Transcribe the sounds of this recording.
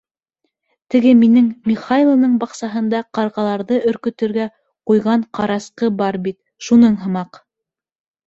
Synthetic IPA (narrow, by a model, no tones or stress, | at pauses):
t̪ɘ̆ɡɘminɘŋmʲiχajlˠonɤɴbɑqsɑɦɤ̆nd̪ɑqɑɾʁɑlˠɑɾðɤʔɵ̆ɾkɵ̆t̪ɘ̆ɾɡæ | qujʁɑɴqɑɾɑsqɤbɑɾbit̪ | ʃunɤɴɦɤ̆mɑq